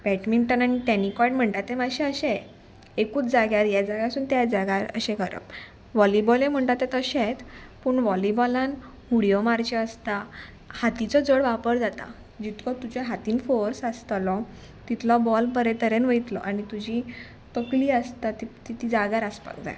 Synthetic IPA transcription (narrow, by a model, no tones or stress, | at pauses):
bɛʈmiɳʈənaɽ̃iʈ̪ɛnikɔjʈm̤əɳʈ̪at̪ːemaɕẽəɕẽ | ekuːt͡sd͡zaɡjaɾjad͡zaɡjasuːnt̪jad͡zaɡaɾə̰ɕẽkəɾə̰p̚ | ʋɔlibɔlem̤əɳʈ̪at̪ːet̪əɕet̪ | puːɳʋɔlibɔlãn | ɦuɽijɔmaɾt͡ɕeəst̪a | hat̪it͡sɔd͡zəɽʋapəɾd͡zat̪a̰ | d͡ʑit̪kʰɔt̪ud͡ʑeɦat̪iːnfoɾsast̪lɔ | t̪it̪lɔbɔlpəɾet̪əɾenʋəjt̪lɔ̰ʔaɽ̃it̪ud͡ʑi | t̪əkliːəst̪at̪it̪it̪id͡zaɡaɾaspə̰kd̪a̰